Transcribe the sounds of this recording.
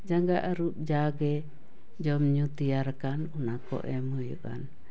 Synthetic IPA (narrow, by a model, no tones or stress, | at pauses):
d͡ʒaŋɡaʔaɾuʔ̚d͡ʒaɡɛ | d͡ʒɔmɲut̪iaɾkanunakɔ̰ʔɛmujṵʔa̰n